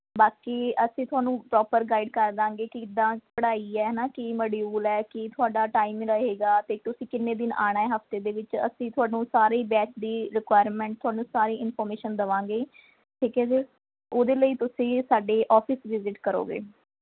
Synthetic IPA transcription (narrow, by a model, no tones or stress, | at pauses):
baːkiːəsĩːt̪ʰʊaːnũːpɾɔːpəɾɡaːiɖkəɾd̪ãːŋɡeːkɪɪd̪ːãːpəɽaːiːɛːnaːkiməɽjuːlɛːkit̪ʰʊaːɖaːʈaːimɾəɦeːɡaːt̪eːt̪ʊsĩːkɪnːeːd̪ɪna̰ːɽ̃aːɛːɦəft̪eːd̪eːʋɪt͡ʃə̰sĩːt̪ʰʊaːnũːsaːɾeːbɛːt͡ʃd̪iːɾɪkwaːjɾmɛ̃ːɳʈ̚t̪ʊaːnũːsaːɾeːɪnpʰɔːɾmeːʃənd̪əʋãːŋɡeː | ʈʰiːkɛːd͡ʒeː | oːd̪eːləiːt̪ʊsĩːsaːɖeːʔɔːpʰɪsʋɪzɪʈkəɾo̰ːɡḛː